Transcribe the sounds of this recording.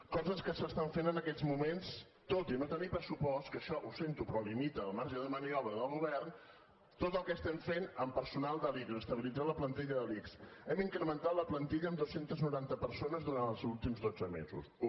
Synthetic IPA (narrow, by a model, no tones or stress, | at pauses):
kɔzəskəsəst̪aɱfenənəkɛd͡zmumens | t̪ot̪inot̪ənipɾəsupɔst̪kəʃɔʔusent̪upɾɔlimit̪əːlˠmaɾʒəðəməniɔβɾəðəlˠɣuβɛrn | t̪ot̪əlˠkɛst̪ɛmfenəmpəɾsunalˠd̪əlikzəst̪əβilid͡zaləplənt̪iʎəðəliksɛmiŋkɾəmənt̪at̪ləplənt̪iʎəːmd̪osent̪əznuɾant̪əpəɾsonəzðuɾanəlˠzulˠt̪imzðod͡zəmḛzṵs